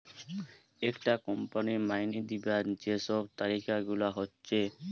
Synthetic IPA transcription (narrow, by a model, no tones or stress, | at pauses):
ekʈakɔmpanimajnid̪ibad͡ʑesɔbt̪aɾikaɡulaɦotːɕʰe